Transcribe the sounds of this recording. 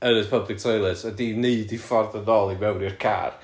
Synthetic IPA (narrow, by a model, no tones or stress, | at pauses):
əɾəpʰəblˠɪk̚tʰojlˠɛsədineɨdifɔrðənɔlˠimɛwrirkʰa̰r